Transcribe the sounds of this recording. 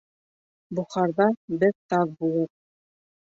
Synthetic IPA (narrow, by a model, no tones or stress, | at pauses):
buχɑɾðɑbɘðt̪ɑðbulˠɤq̚